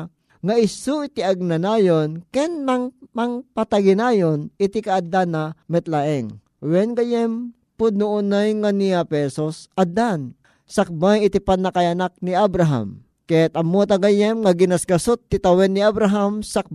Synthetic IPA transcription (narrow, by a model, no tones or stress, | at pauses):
ŋaɪsuit̪iaɡ̚nanajonkɛnmaŋmaŋpat̪aɡinajonɪt̪ikaːd̪anamɛt̪laʔɛŋ | wɛnɡajɛm | pʊd̪̚nʊʔʊnajŋanijapɛsosʔad̪an | sak̚bajɪt̪ipanːakajanak̚niabɾaɦa̰m | kɛt̪ɐmːot̪aɡajɛmŋaɡɪnasɡɐsot̪ːit̪ɐwɛnːiabɾaɦamsak̚